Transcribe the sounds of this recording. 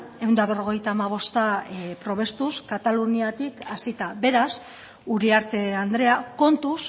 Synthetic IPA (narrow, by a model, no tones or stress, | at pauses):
e̞wnd̪aβe̞ro̞ɣ̞e̞jt̪aːmaβ̞o̞st̪apɾo̞β̞e̞st̪uskat̪aluniat̪ikasit̪abe̞ɾas | uɾiaɾt̪e̞and̪ɾe̞ako̞nt̪us